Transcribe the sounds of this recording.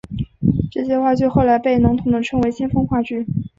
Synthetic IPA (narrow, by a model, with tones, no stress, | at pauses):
ʈ͡ʂɤ˥˩ɕjɛ˥xwa˥˧t͡ɕy˥˧xo˥˩ʊla˧˥ɪpe˥˩ɪnɑ˧˥ŋt̪ʰʊ˧˥ŋd̪ə˧˩ʈ͡ʂʰɤ˧˥ŋwe˧˥ɪɕi˥nfɤ˥ŋxwa˥˧t͡ɕy˥˩